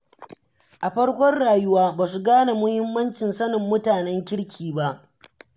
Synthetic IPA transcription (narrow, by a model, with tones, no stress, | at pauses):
ʔa˨ɸɐ˦ɽkʷɔ˦rɽaː˨jʊ˦waː˦baː˨su˨ɡaː˦na˨mʊ˦hɪ˦mːɐ˦nt͡ʃɪ˨nsɐ˦nɪ˨mːʊ˦taː˨nɛ˦ŋkʲɪ˦ɽkʲʰiː˨ba˦ʔ